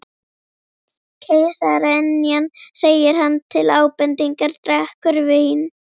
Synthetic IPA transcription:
kʰejsaɾɛnːijanseːjɪɾ̥ɦanːt̪ʰɪlaːwpɛnt̪iŋkaɾt̪ɾɛhkʏɾvɪhin

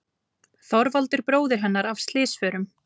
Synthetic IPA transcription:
θɔɾvalt̪ɪɾpɾoːwðɪɾ̥ɦɛnːaɾav̥st̪lɪːsfœːɾʏm

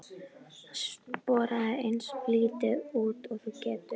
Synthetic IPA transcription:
aspɔːɾaðaejnspliːt̪ɪuːt̪ɔɣθcɛːt̪ʏ

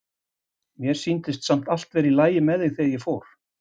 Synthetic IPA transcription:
mjɛɾ̥sint̪ɪst̪sam̥t̪al̥t̪vɛɾilaːjɪmɛðɪɣθeðjɛɣfoːwɾ̥

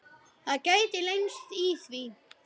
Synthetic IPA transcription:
θakajt̪ɪlejnst̪iθvi

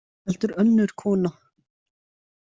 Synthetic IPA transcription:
ɛlt̪ʏɾœnːʏɾ̥kʰɔːna

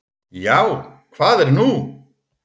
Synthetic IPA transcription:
jawkʰv̥aːðɛɾnu

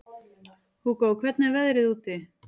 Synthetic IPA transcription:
hukawkʰvɛt̪navɛðɾɪðuːt̪ɪ

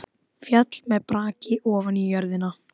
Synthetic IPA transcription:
fjat̪lmɛðpɾaːcɪʔɔːvanijœɾðɪna

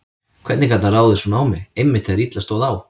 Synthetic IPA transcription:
kʰvɛɾt̪nɪkat̪naraːwðɪsunaːwmɪejmːɪht̪ʰɛðɾit̪last̪oːwðaw

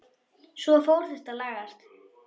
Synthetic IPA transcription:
svɔfowɾ̥θɛst̪alaːɣast̪

